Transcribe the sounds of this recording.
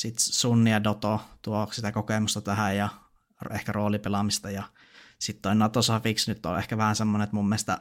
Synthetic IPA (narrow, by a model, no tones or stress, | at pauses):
sit̪sunːiɑdot̪ot̪uoksit̪ækokemust̪ɑt̪æhæjjɑ | rehkæroːlipelɑmist̪ɑjɑ | sit̪t̪oˑinɑt̪osɑfiksnyt̪ːo̰lʔḛhkæʋæhænsemːonet̪mumːeˑst̪ɑ̰